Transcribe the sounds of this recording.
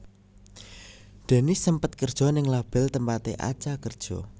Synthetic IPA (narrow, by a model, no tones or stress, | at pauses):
d̪̥ɛ̤nɪsəmpət̪̚kərd̥ʒ̥ɔnɪŋlab̥ɛ̤lt̪əmpat̪eʔa̰̥t͡ʃakərd̥ʒ̥ɔ̰